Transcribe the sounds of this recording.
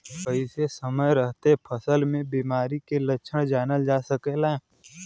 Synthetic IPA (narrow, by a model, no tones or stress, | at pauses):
pəɪsesəməjɾəɦt̪epʰəsəlmẽbiːmaːɾikelətːʃʰəɽ̃d͡ʒaːnəld͡ʒaːsəkela